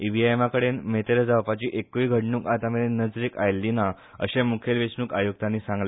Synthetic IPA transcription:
iʋiaemakəɽenmet̪eɾəd͡zaʋpat͡ɕiːʔekːʋiːɡʱəɽɳuːkat̪ameɭenəd͡zɾiːkajlːina | ə̰ɕemukʰelʋesnuːkajuɡ̚t̪anːiːsãŋɡle

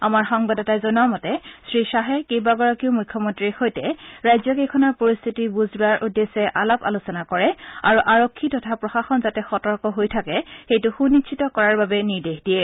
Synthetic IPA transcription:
a̰maɹxɔŋbadɔtazɔnamɔtɛsɹisaɦɛkejbaɡɔɹakiʊmujkʰːɔmɔntɹiɹxojtɛɹajzɔkejkʰɔnɔɹpoɹist̪ʰitibuzuɹaɹʔudesɛʔalapa̰lusɔnakɔɹɛaɹuʔaɹɔkʰːitɔtʰapɹɔxaxɔnzatɛxɔtɔɹkɔɦojtʰakɛxejtʊxunit͡ʃʰitɔkɔɹaɹbabɛniɹdexdiɛ

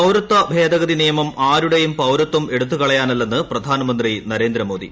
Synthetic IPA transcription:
pɐwɾɐt̪ːɐbʱe̞ːd̪ɐɣɐd̪inijɐmɐmaːɾuɽejumpɐwɾɐt̪ːɐme̞ɽut̪ːukɐɭɐjaːnɐlːenːɨprɐd̪ʱaːnɐmɐnd̪rinɐɾe̞ːnd̪ɾɐmo̞ːd̪ḭ

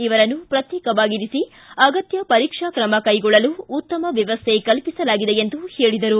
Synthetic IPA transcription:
iʋɐɾɐnːupɾɐt̪jɛːkɐʋaːɡiɾisi | ɐɡɐt̪jɐpɐɾiːkʂakɾɐmɐkɐjɡɔɭːɐluːt̪ːɐmɐʋjɐʋɐst̪ʰekɐlpisɐlaːɡid̪e̞end̪uhe̞ːɭid̪ɐɾu

